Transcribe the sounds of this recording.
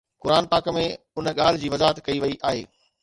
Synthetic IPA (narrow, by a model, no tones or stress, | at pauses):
kʊɾaːnpaːkəmẽ | ʊnə̆ɠaːl̤ɪd͡ʑiːʋɐzaːɦət̪kɐiʋɐiʔaːɦḛː